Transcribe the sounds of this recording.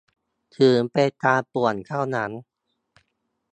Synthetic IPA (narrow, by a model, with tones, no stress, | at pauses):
t̪ʰɯː˩˦ŋpa˧jt̪aː˧pu˨˩ənkʰaː˥˩wna˦˥n